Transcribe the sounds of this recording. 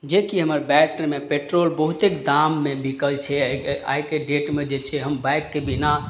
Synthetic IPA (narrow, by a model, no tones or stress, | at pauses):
d͡ʒekiɦəməɾbɛʈəɾmepeʈɾolbəɦut̪ekd̪amːebʱikəlt͡ʃʰɛa̰jkeɖeʈmed͡ʒet͡ʃʰɛɦəmbaɪkːebina